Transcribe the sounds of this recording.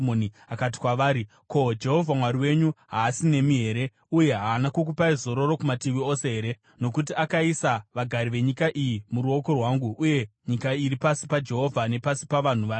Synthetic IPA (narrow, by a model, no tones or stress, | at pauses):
moni | akat̬i̥kwaʋaːɾi | ko̞d͡ʒe̞ɦo̞vʱamwaɾiwe̞ɲuɦaːsine̞miɦe̞ːɾe̞ | uje̞ɦaːnakok̬upaizo̞ɾo̞ro̞kumatiʋio̞se̞ɦe̞ːɾe | no̞kut̬iakaisaʋaɡʱaɾiʋe̞ɲikaʔijimuɾuo̞ko̞rwaːŋɡuʔːje̞ɲikairipasipad͡ʒe̞ɦo̞vʱane̞pasi̥paʋan̤uʋaːe